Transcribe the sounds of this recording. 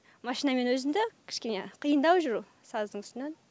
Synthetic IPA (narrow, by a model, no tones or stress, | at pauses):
mɑʃijnɑme̞nwɵzɪmd̪ɪkʲʰɪ̥ʃkʲe̞neqʰijənd̪ɑwʒʊɾu | sɑzd̪əɴʏst̪ɪnen